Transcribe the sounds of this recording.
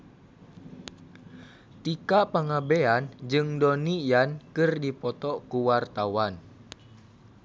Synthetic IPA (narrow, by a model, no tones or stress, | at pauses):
t̪ikaʔpəŋabeand͡ʒɨŋdɔnijankɨrdipɔt̪ɔʔkuwart̪awan